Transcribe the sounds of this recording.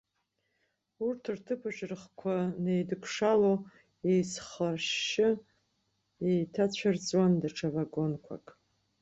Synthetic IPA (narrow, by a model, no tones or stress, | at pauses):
urtʰɨrtʰɨpʰaʒɪrχkʷʰanejdɨkʷʰʂalo | ejsχarʃɪ | ejtʰat͡ɕʷʰart͡sʼwandaʈ͡ʂʰavaɡo̞nkʷʰa̰kʼ